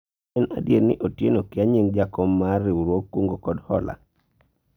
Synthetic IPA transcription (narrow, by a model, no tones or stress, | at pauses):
ɛna̰djeɾnɪ̰ʔotjenokɪaɲiŋd͡ʒakɔmarɪuɾwokːwoŋɡokɔdhɔ̰la̰